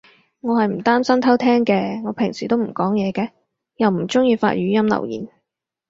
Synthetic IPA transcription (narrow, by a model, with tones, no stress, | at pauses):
ŋɔː˨˧hɐ˨jm̩˨˩t̪aː˥msɐ˥mt̪ʰɐ˥wt̪ʰɛː˥ŋkɛː˧ŋɔː˨˧pʰɪ˨˩ŋsiː˨˩t̪o˥wm̩˨˩kɔː˨˥ŋjɛː˨˧kɛː˧ | jɐ˨wm̩˨˩t͡sʊ˥ŋjiː˧fa̰ː˧t̚ɥyː˨˥jɐ˥mlɐ̰˨˩wjḭː˨˩n